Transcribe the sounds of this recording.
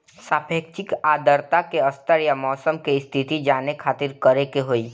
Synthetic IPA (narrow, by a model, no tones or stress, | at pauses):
saːpʰeːkt͡ʃɪkaːd̪əɾt̪akeəst̪əɾjamɔːsəmkeɪst̪ʰɪt̪id͡ʒaːnekʰaːt̪ɪɾkəɾekeɦoːiː